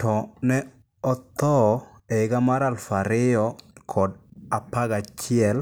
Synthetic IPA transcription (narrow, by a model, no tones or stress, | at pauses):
tɔnɛ | ɔt̪ɔeɪɡamaɾalfaɾɪɔkʰɔdapaɡat͡ʃɪɛl